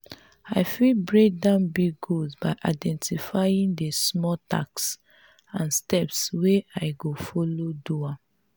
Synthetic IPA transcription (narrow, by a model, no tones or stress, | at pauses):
aɪfibɹek̚dãʊnbiɡuzbaɪʔa̰ɪdɛ̃ntifajĩndəsmɔta̰ks | ãnstɛpsweaɪɡofɔlodua